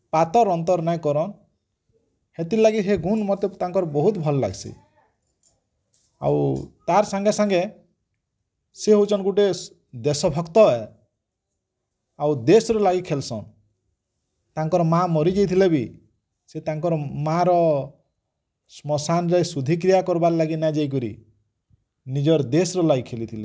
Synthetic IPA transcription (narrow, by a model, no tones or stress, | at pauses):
pat̪ɔɾɔnt̪̬ɔɾnaj̃kɔɾɔn | het̪ilaɡiɦeɡunmɔt̪et̪aŋkɔɾɔbɔɦut̪bʱɔlɔla̰ɡsʰḭ | a̰wt̪aɾsaŋɡesaŋɡe | seɦud͡ʒɔnɡuʈe | d̪esɔbʱɔkt̪ɔe | awd̪esɾɔlaɡikʰelsɔ̰̃ | t̪aŋkɔɾɔmamɔɾid͡ʒejt̪ʰilebi | set̪aŋkɔɾɔmaɾɔ | smɔsanɾesud̪ʱik̬ɾijakɔɾbaɾlaɡinad͡ʒajk̬ɔɾḭ | nid͡ʒɔɾd̪esɔɾɔlaɡikʰelit̪ʰile